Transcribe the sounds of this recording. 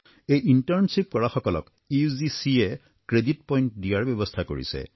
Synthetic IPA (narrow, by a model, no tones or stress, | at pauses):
ejʔintaɹnsip̚kɔɹaxɔkɔlɔ̰k | izisiɛ | kɹedit̚pɔjntdijaɹbɔbɔst̪ʰakoɹḭsɛ̰